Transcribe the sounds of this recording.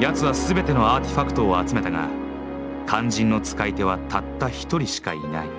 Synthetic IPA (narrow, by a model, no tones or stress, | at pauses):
jat͡sɨβasɨbe̞t̪e̞no̞aːt̪e̞ɸakɯ̟̥t̪o̞ːat͡sɨme̞t̪aɡa̰ | kʰãɲ̟d͡ʑĩnːo̞t͡sɨ̥kait̪e̞β̞at̪at̪ːaçi̥t̪o̞ɾʲiɕi̥ka̰ḭna̰i